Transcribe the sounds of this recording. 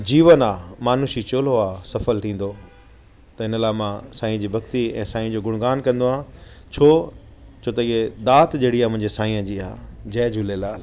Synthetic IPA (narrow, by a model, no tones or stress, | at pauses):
d͡ʑiːʋənaːmaːnuʃit͡ɕoːloaːsɐfəlʈ̪ʰĩːn̆d̪o | t̪ɐɪnəlaːɪmãsaːĩːd͡ʑiːbʱɐkt̪iɛ̃ːsaːĩə̃d͡ʑoːɡʊɽ̃ɡaːnkɐ̃nd̪oɦãː | t͡ɕʰoː | t͡ɕʰoːt̪ɐiɦed̪aːt̪d͡ʑeːɽiaːmʊ̃ɦɪ̃ɲd͡ʑesaːĩə̃d͡ʑiːa̰ːd͡ʑɛːd͡ʑuːlelaːl